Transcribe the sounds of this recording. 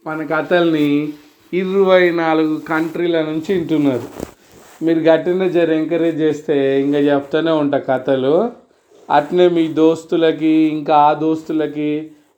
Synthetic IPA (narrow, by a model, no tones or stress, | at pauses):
mɐnɐkɐt̪ɐlɐni | iɾuʋɐjnaːluɡukɐɳʈɾiːlɐnuɲt͡ʃiːɳʈunːaːɾu | miːɾuɡɐʈːinɐd͡ʒɐɾɛŋkɐɾeːd͡ʒt͡ʃeːst̪e̞ːiŋkaːt͡ʃɛp̚t̪aːneːuɳʈaːkɐt̪ɐlu | ɐ̰ʈneːmiːd̪o̞ːst̪ulɐk̬iːŋkaːaːd̪o̞ːst̪ulɐki